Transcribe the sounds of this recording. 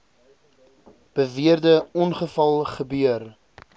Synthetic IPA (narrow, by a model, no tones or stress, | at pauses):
b̥əviərdəɔnχəfɐlˠχəbyər